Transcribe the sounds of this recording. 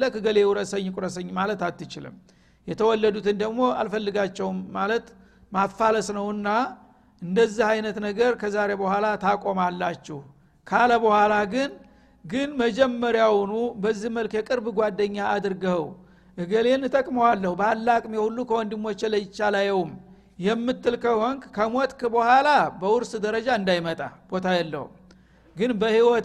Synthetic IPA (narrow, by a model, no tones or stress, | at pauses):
ləkɨɡəlewuɾəsəɲːkʼuɾəs̬əɲːmalət̪alt̪ːɨt͡ʃɪlɨ̰m | jɛt̪ʰəwɔlːəd̪ut̪ʰɨnd̪əɡmo̞a̰lfəlːɨɡat͡ʃːɛwmːalət̪ | mafːaləsnəwɨnːa | ʔɨnd̪əzːihajnət̪nəɡəɾkʰəzaɾebəhʷalat̪ʰakʼo̞malːat͡ʃːɛh | kʰaləbəhʷwʷalaɡɨn | ɡɨnməd͡ʒɛmːəɾjawnubəzːihməlkjɛkʼɨɾbɡʷad̪ːəɲːaad̪ɨɾɡəhw | ʔɨɡəlenːɨt̪ʼəkʼməwalːəhubalːakʼmjehulːukʰəwɔnd̪imːot͡ʃːɛləjɪt͡ʃːalajɛwum | jɛmːɨt̪ːɨlkʰəhɔŋɡkʰəmot̪ʼkbəhʷwʷalabəwʊɾsd̪əɾəd͡ʒaɨnd̪ajmət̪ʼa̰b̥o̞t̪ʰajɛlːə̰hṵ | ɡɨnbəhiwɔt̪